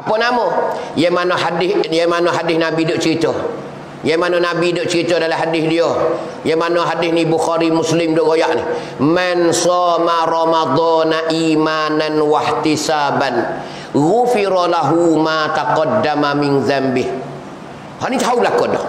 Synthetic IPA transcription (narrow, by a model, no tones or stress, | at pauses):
apɔnamɔjamanɔhadɪjamanɔɦadɪhnabidoʔt͡ʃəɾit̪ɔ | jamanɔnabidoʔt͡ʃəɾit̪ɔdalaɦadɪθdiɔ | jamanɔɦadɪθnibuxaɾimʊslɪmdoʔɣɔjaʔni | mansɔːmaɾɑmad̪ˤɔnaʔimananwaht̪isaːban | ɣʊfiɾɔlaɦumat̪aqɑdːamamɪnðambɪh | hanit̪aɦaublakɔdɔ̰h